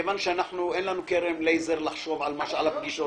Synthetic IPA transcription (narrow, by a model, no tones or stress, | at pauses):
evanʃeanaħnuʔenlanukeɾemlejzeʁlaχʃovʕalmaʃeʕalap̚ɡiʃo